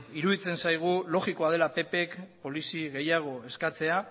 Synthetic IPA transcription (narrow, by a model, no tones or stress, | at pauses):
iɾuðit͡se̞nsajɣ̞ulo̞ɣiko̞að̞e̞lape̞pe̞kpo̞lisiɣe̞jaɣ̞o̞e̞skat͡se̞a